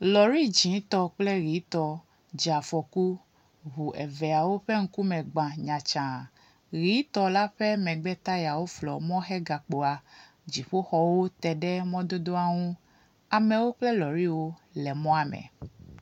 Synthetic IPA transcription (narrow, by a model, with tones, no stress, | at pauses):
lɔ˨ɾi˦˨d͡ʒĩ˨˦t̪ɔ˦k͡plɛ˦ɣi˨˦t̪ɔ˨ | d͡ʒa˨fɔ˨ku˦ | βu˨ʔɛ˨vɛ˨a˨wo˦ɸe˦ŋ̩˦ku˦mɛ̃˨ɡ͡bã˨ɲã˨t͡ʃã˨ | ɣi˨˦t̪ɔ˨la˦ɸɛ˦mɛ̃˨ɡ͡bɛ˦t̪a˦ja˨wo˦flɔ̰˨mɔ̃˦xɛ˦ɡa˨k͡po˨a˨ | d͡ʑi˨ɸo˦xɔ˦wo˦t̪ɛ˨ɖɛ˦mɔ̃˦d̪o˦d̪o˦a˦ŋũ˦ | a˨mɛ̃˨wo˦k͡plɛ˦lɔ˨ɾi˦wo˦lɛ˨mɔ̃˦a˨mɛ̰̃˨